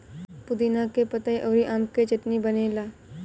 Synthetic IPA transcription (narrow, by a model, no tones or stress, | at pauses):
pʊd̪inakepɐt̪aiʔɔːɾiʔaːmket͡ʃɪʈnibənelaː